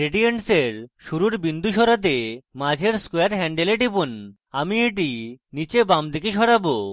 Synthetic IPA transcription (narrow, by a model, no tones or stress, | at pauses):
ɾeɖieɳʈseɾʃuɾuɾbind̪ʱuʃɔɾat̪̬emad͡ʑʱeɾskoeaɾɦɛɳɖeleʈipun | amieʈ̬init͡ɕebamd̪ikeʃɔɽabo